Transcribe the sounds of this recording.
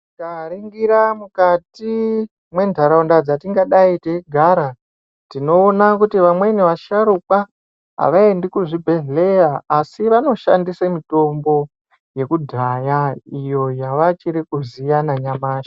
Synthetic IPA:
kaɾiŋɡiɾamukati | mwe̞ndʱaɾaundad͡zatiŋɡaɗaiteɡʱaɾa | tino̞ːnakutiʋamwe̞neʋaʃaɾuka | ɦa̰ʋaendikuʐibʱe̞ɮe̞jaasiʋano̞ʃa̰ndisamito̞mbo̞ | je̞kudʱajaijo̞jaʋat͡ʃiɾikuzijanaɲamaːʃa

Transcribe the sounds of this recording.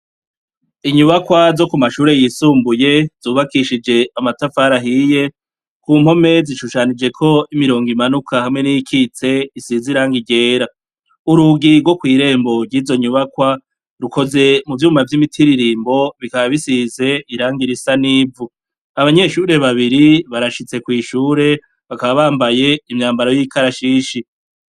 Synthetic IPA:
iɲuβakwazo̞kumaʃuːɾe̞jisuːmbuje̞z̥uːβakiʃid͡ʒe̞amatafaɾaɦije̞ | kuːmho̞me̞ziʃuʃanid͡ʒe̞kʰo̞imiɾo̞ːŋɡimanukʰahamŋe̞nijikʰit͡se̞isiziɾaːŋɡiɟe̞ːɾa | uɾuɡiɾɡwo̞kwiːɾe̞ːmbo̞ɾɟiːzo̞ɲuβakwa | ɾuko̞ze̞muvjuːmavjimitʰiɾiɾiːmbo̞βikaβaβisize̞iɾaːŋɡiɾisaniːvu | aβaɲe̞ʃuːɾe̞βaβiɾiβaɾaʃit͡se̞kwiːʃuːɾe̞ | βakaβaβaːmbaje̞imɲaːmbaɾo̞jikʰaɾaʃiːʃi

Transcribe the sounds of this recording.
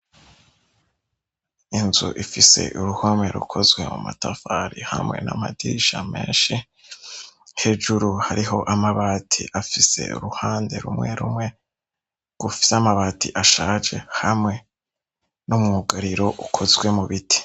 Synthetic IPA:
inzṵʔifise̞̰ʔuɾuhome̞ɾṵkʰo̞zɡwe̞muma̰tafaɾihamŋe̞̰na̰madiiʃame̞̰ːnʃi | he̞d͡ʒuɾuhaɾiɦo̞ʔamaβaːtʰḭʔafise̞̰ṵɾuhaːnde̞ɾṵmŋe̞ɾumŋe̞ | ɡ̥ufi̥samaβaːtʰiʔaʃaːd͡ʒe̞hamŋe̞ | numŋuːɡaɾiɾo̞ʔukʰozɡwe̞muβitʰi̥

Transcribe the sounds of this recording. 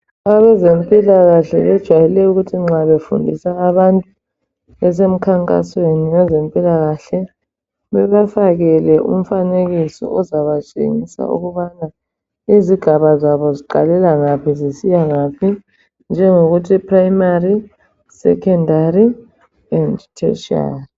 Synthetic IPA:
aβɛzempʼilaɣaɬɛ̰βɛd̥ʒ̥ʱwajɛlɛuɣutʰiŋ͡ǁaβefṵndʱḭsaːβantʼu | βɛs̬em̩kʰaŋkʼa̰sweniŋɛzempʼilaɣaɬɛ | βɛβafaɣɛlɛʔṵm̩faneɣisɔ̰ʔɔzaβat͡ʃʼḛŋisa̰ṵɣuβana | iziɡ̥ʱaβazaβɔziǃa̰lɛlaŋapʰizisijaŋapʰi | nd͡ʒʱɛŋoɣutʰipʰʼraimari | sɛ̰kʰɛndʱari | ɛndtʰɛ̰ʃa̰l

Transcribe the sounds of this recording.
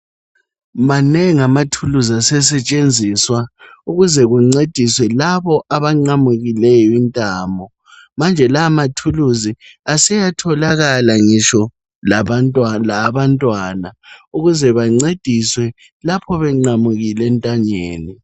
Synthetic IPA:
manɛŋamatʰuluzasɛsɛt͡ʃʼend͡zʱiswa | uɣuzɛɣuŋ͡ǀed̥ʱiswɛlaβɔʔaβaŋ͡ǃamuɣilɛjɔintʼaːmbʱɔ | mand͡ʒʱɛlamatʰuluziasɛjatʰɔlaɣalaŋiʃɔ | l | laβantʼwanauɣuzɛβaŋ͡ǀed̥ʱiswɛ | lapʰɔβɛŋ͡ǃamuɣilɛntʼaɲeːni

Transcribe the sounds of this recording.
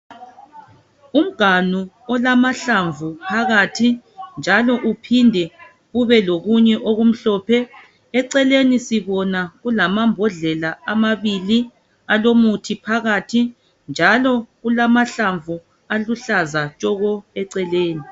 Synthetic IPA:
um̩ɡ̥ʱanu | ɔlamaɬaɱvupʰaɣatʰind͡ʒʱalɔʔupʰindʱɛ | ɣuβɛloɣuɲɛʔoɣum̩ɬɔːpʰɛ | ɛǀɛlenisiβɔnaɣulamambʱɔɮɛlaamaβili | alomutʰipʰaɣatʰi | nd͡ʒʱalɔɣulamaɬaɱvu | aluɬazat͡ʃʼɔɣɔɛǀɛleːni

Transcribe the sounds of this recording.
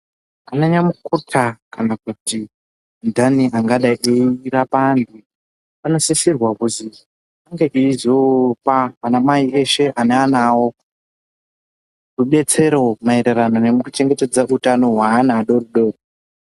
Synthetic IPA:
anaɲamukutʰakanakuti | ndʱaniʔaŋɡaɗaʔeirapandu | panosisirwakuti | aŋɡeʔiizopaːnamaiʔeʃe̞ʔaneanawo | ruɓe̞t͡se̞ɾo̞maeɾeranone̞mukut͡ʃe̞ŋɡete̞d͡zaʔutano̞ɦwaːnaɗoruɗoru

